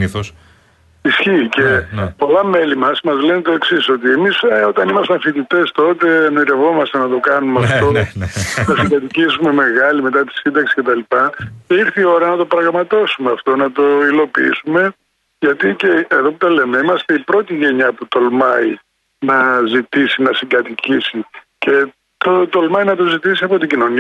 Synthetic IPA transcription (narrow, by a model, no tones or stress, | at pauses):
ios | isçiːcepo̞lɐme̞limɐsmɐzle̞net̪o̞eksiso̞t̪ie̞miso̞t̪ɐnimɐst̪eɐfit̪it̪est̪o̞t̪e̞noiɾe̞vo̞mɐst̪enɐt̪o̞kɐnumeɐft̪o̞ | nɐsiɡ̪ɐt̪icisume̞me̞ɣɐlime̞t̪ɐt̪i̥sind̪ɐksi̥ce̞t̪ɐlipɐceiɾθio̞ɾɐnɐt̪o̞pɾɐɣmɐt̪osumeɐft̪o̞nɐt̪o̞ilo̞piḭsume̞ | ʝɐt̪iceːðo̞put̪ɐle̞me̞imɐst̪e̞ipɾo̞t̪iʝe̞ɲɐput̪o̞lmɐi | nɐzit̪isinɐsiɡɐt̪icisi | ce̞ | t̪ot̪olmɐinɐt̪o̞zit̪isiɐpo̞t̪iɟino̞ni